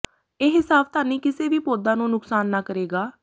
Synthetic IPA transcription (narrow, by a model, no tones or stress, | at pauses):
eːɦɪsaːbt̪aːniːkɪseːʋiːpoːd̪ãːnũːnʊksaːnːaːkəɾeːɡaː